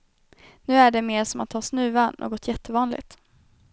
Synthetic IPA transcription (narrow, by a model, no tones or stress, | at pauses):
nʉ̟ːæɖɛmeːɾʂɔmat̪ʰːɑːsnʉ̟ːvano̰ːɡɔt̪ʰjɛt̪ʰːəvɑːnlɪ̰ɡt̪